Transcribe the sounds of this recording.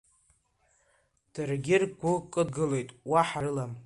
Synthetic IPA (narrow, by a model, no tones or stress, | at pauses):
d̥ɨrɡʲɪrɡʷʊkʼɨdɡɨle̞jtʼwaħarɨlam